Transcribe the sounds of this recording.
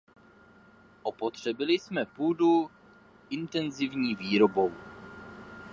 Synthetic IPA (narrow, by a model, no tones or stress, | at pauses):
ʔopot̪r̝̥ɛbɪlɪsmɛpuːdu | ʔɪnt̪ɛnzɪvɲiːviːɾobow